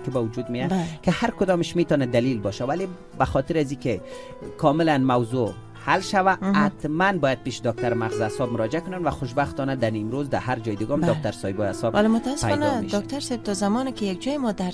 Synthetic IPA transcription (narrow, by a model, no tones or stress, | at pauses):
kɪbawʊd͡ʒud̪mejakɪhaɾkʊd̪ɔmɪʃmet̪ɔnad̪alilbɔʃawale | baxɔt̪ɪɾazikɪ | kʰɔmɪlanmawzo | halʃawaat̪manbɔjad̪̚peʃd̪ɔk̚t̪aɾmaɣzasɔb̚mʊɾɔd͡ʒɪakʊnanvaxʊʃ̬baxt̪ɔnad̪animɾozd̪ahaɾd͡ʒɔjɪd̪ɪɡɔmɔk̚t̪aɾsɔjɪbɔjasɔbalemʊt̪asːpajnaed̪ɔk̚t̪aɾsɛjb̚t̪ʰɔzamɔnɪkɪjak̚d͡ʒɔjɪmɔd̪aɾ